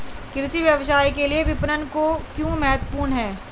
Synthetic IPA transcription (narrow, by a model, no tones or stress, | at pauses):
kɪɾɪsiʋjɐʋsaːikeliebɪpɾənkokjõːmɛːt̪wəpuːɾɳɦɛː